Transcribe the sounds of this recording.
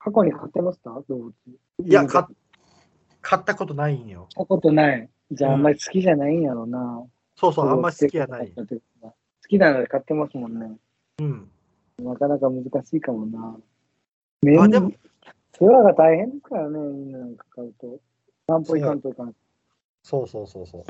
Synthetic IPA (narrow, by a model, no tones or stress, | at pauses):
kʰako̞ɲ̟ikʰat̪ːe̞masɨ̥t̪ad̪obɯ̟t͡si | a | kʰat̪ːako̞t̪onaĩjot̪ako̞t̪o̞nai | d͡ʑaːamːaɾʲisɨ̥kʲiʑanaĩjaɾo̞na | soːsooɡomːaieiaaat̪ek | ɡa | sɨ̥kʲinanodekat̪ːe̞masɨmõ̞nːe | ɯ̟̃ɴ | nakanakamɯ̟zɨkaɕiːkamo̞na | mẽd̪ | soaɡat̪aihẽnd̪eskaɾanemĩnːanãŋkḁkaɯ̟t̪o̞ | sãmpoikãnt̪oikãn | soːsoːsoːso̰ː